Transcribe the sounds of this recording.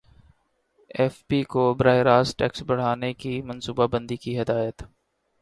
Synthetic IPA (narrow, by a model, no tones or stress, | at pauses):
ɛːfpikobɾaːeɾaːsʈɛːksbɐɽ̤aːnekimɐ̃nsuːbabə̃nd̪ikiɦɪd̪aːjət̪